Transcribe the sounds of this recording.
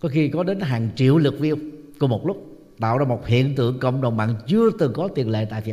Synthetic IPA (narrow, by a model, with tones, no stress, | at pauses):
kɔ˨˦xi˧kɔ˨˦ɗe˨˦nɦaː˨˩ŋt͡ɕḭ˧˨əwlɨ˨˩k̚vi˧əw | ku˧əmo˨˩t̚lʊ˦˥k͡p̚ | ɗa̰ː˧˨wzaː˧mo˨˩t̚hḭ˧˨ənt̪ɨ̰˧˨əŋkə̰˧˨wŋ͡mɗə˨˩wŋ͡mɓa̰ː˧˨nt͡ɕɨ˧ət̪ɨ˨˩kɔ˨˦t̪i˨˩ənlḛ˧˨t̪a̰ː˧˨i˧˨